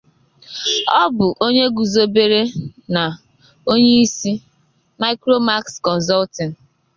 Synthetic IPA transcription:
ɔ˦bʊ˨ʔo˦ɲe˦ɡu˨zo˦be˦ɾe˦na˨ | o˦ɲe˦i˦si˦ | ma˦ɪ˦kɾo˦ma˦kskɔ˨n̩˨zɔ˦ltɪ˨n˨

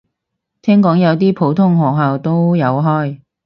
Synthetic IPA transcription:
t̪ʰɛː˥ŋkɔː˨˥ŋjɐ˨˧wt̪iː˥pʰo˨˥wt̪ʰʊ˥ŋhɔː˨˩k̚ɦaː˨˩wt̪o˥wjɐ˨˧wɦɔː˥j

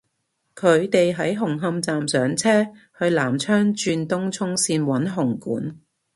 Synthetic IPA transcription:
kʰɵ˨˧ɥt̪e˨jɦɐ˨˥jɦʊ˨˩ŋɦɐ˧mt͡saː˨msœː˨˥ŋt͡sʰɛː˥ | hɵ˧ɥlaː˨˩mt͡ʃʰœː˥ŋt͡ʃyː˧nt̪ʊ˥ŋt͡ʃʰʊ˥ŋsiː˧nwɐ˨˥nɦʊ˨˩ŋkuː˨˥n

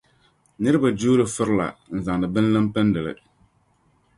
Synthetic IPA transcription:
nɨ˦ɾɨ˦ba˨d͡ʒuː˦ɾɨ˨fɨ˦ɾla̰˨n̩˨za˨ŋ˨dɨ˨bɨ˦n˦lɨ˦mpɛ˦ndɨ˨lɨ̰˦

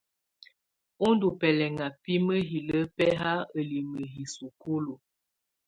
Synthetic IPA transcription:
o˦n˦du˨pɛ˨lɛ˨ŋa˨pi˦mə˦ɦi˨lə˦pɛ˦ɦa˦ə˨li˨mə˨ɦi˨su˨ko˦lo˨

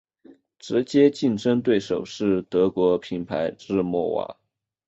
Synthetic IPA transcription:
ʈ͡ʂɻ̩˧˥t͡ɕjɛ˥t͡ɕi˥˩nʈ͡ʂə˥ŋt̪̬we˥˩ɪʂo˨˩ʊʂɻ̩˥˩t̪ɤ˧˥kwɔ˧˥pʰi˧˥npʰa˧˥ɪʈ͡ʂɻ̩˥˧mwɔ˥˩wa̰˨˩˥

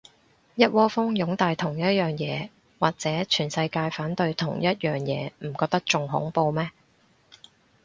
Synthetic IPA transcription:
jɐ˥t̚wɔː˥fʊ˥ŋjʊ˨˥ŋt̪aː˨˧jt̪ʰʊ˨˩ŋjɐ˥t̚jœː˨ŋjɛː˨˧ | waː˨k̚t͡sɛː˨˥t͡ʃʰyː˨˩nsɐ˧jkaː˧jfaː˨˥nt̪ɵ˧ɥt̪ʰʊ˨˩ŋjɐ˥t̚jœː˨˩ŋjɛ̰ː˨˧m̩˨˩kɔː˧k̚t̪ɐ˥k̚t͡sʊ˨ŋɦʊ̰˨˥ŋpo˧wmɛː˥

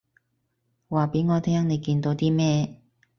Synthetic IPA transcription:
waː˨pe˨˥jŋɔː˨˧˥t̪ʰɛː˥ŋne˨˧jkiː˧nt̪o˨˥wt̪iː˥mɛː˥

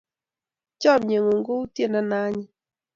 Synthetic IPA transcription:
t͡ʃɔ˦˨mɲe˨ŋo˨ŋɡo˦u˦tje˦˨na˦na˦ɲɪ˦

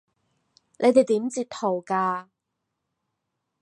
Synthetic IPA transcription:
nʔe˨˧jt̪e˨˩jt̪iː˨˥mt͡siː˧t̚t̪ʰːo˨˩wkaː˧

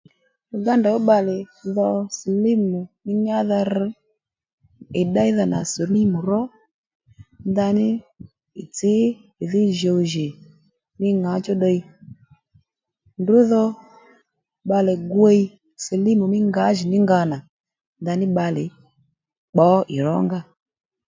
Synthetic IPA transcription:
ju˨ɡa˦nda˨wo˦ɓa˧lɪ˨ðɔ˧si˨li˦mu˨mɪ˦ɲa˦ða˧ɾ̩˧˦ | ɪ˨ɗa˦i˦ða˧na̰˨so˨li˦mu˨ɾɔ˦ | nda˧nɪ˦ | ɪ˨t͡sɪː˨˦˨ðɪ˦˨ʒo˨wʒɪ˨ | mɪ˦ŋa˨˦t͡ʃɔ˦ɗə˧i˦ | ndʊ˨˦ðɔ˧ | ɓa˧lɛ˨ɡwe˦i˦ | si˨li˦mu˨mɪ˦ŋɡa˨˦ʒi˨nɪ˦ŋɡa˧na˨ | nda˧nɪ˦ɓa˧lɪ˨ | k͡pɔ˨˦ʔɪ˨ɾɔ˨˦ŋɡa˧

